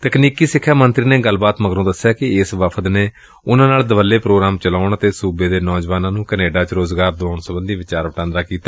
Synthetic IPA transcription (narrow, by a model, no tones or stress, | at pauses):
t̪əkniːkiːsɪkʰːjaːmənt̪ɾiːneːɡəlːbaːt̪məɡɾõːd̪əsjaːkɪɪsʋəpʰət̪neː | ʊnãːnaːld̪əʋəlːeːpɾoːɡɾaːmt͡ʃəlaːʊɳət̪eːsuːbeːd̪eːnɔːd͡ʒʋaːnãːnũːkəneːɖaːt͡ʃɾoːzɡaːɾd̪ʊaːnsəbənd̪iːʋɪt͡ʃaːɾʋəʈãːnd̪aːkiːt̪aː